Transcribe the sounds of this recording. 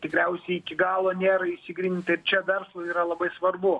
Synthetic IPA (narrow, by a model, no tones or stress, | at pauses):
t̪ʲɪkɾʲɛʊsʲɛɪɪkʲɪɡɑːlˠoːnʲeːɾɐɪʃʲsʲɪɡɾʲinʲt̪ʲɐɪrt͡ʃʲɛʋʲɛrslˠɐiːɾɐlˠɐbɐɪsʋɐrbʊ